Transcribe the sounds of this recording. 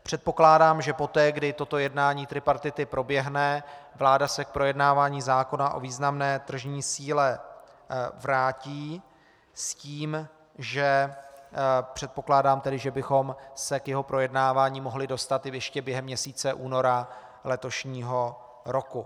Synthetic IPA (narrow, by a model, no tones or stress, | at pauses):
pr̝̥ɛt̪̚po̞klaːdaːmʒɛpo̞t̪ɛːɡdɪt̪o̞t̪o̞jɛdnaːɲiːt̪ɾɪpaɾt̪ɪt̪ɪpɾo̞bjɛɦnɛvlaːdasɛk̚pɾo̞jɛdnaːvaːɲiːzaːko̞naʔo̞̰viːznamnɛːt̪r̩ʒɲiːsiːlɛ | vɾaːciː | sciːm | ʒɛ | pr̝̥ɛt̪̚po̞klaːdaːmt̪ɛdɪʒɛbɪxo̞msɛkjɛɦo̞pɾo̞jɛdnaːvaːɲiːmo̞ɦlɪdo̞st̪at̪ɪjɛʃcɛbjɛɦɛmːɲɛsiːt͡sɛʔuːno̞ɾa | lɛt̪o̞ʃɲiːɦo̞ | ɾo̞ku